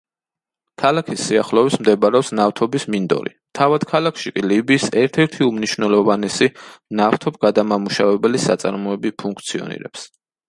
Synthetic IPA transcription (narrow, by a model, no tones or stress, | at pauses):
kʰalakʰisːiaχlˠɔvismd̪ɛbɾɛɔpsnaft̪ʰɔbismind̪ɔ̰ɾḭ | t̪ʰavad̪̥kʰalˠakʰʃikʼilibiːsɛɾt̪ʰɛɾt̪ʰiumniʃvnɛlˠɔvanɛsinaft̪ʰɔb̚ɡad̪amamuʃavɛbɛlisa̰t̪sʼa̰ɾmɔɛbipʰuŋk̚ʰt̪sʰiɔ̰nḭɾɛ̰ps